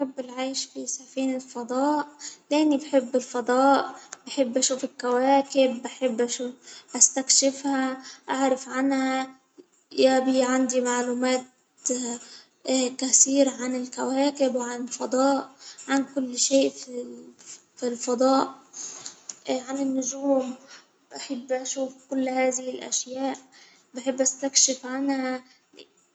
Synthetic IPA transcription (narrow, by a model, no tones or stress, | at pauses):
ħɪbːɪlʕajʃfisafiːnɪlfɑd̪ˤɑːʔlʔɪnːibħɪbːɪlfɑd̪ˤɑːʔbaħɪbːʔaʃuːfɪlkawaːkɪbːaħɪbːʔaʃuːfʔast̪akʃɪfhaʔaʕɾˤɑfʕanha | jabiːʕand̪imaʕluːmaːt̪ | kæθiːɾʕanɪlkawaːkɪbwʕanɪlfɑd̪ˤɑːʔʕankʊlːʃeːʔfi | filfɑd̪ˤɑːʔ | ʕanɪnːʊʒuːm | baħɪbːʔaʃuːfkʊlːhaːðɪhɪlʔa̰ʃjaːʔ | baħɪbːʔast̪akʃɪfʕanhæ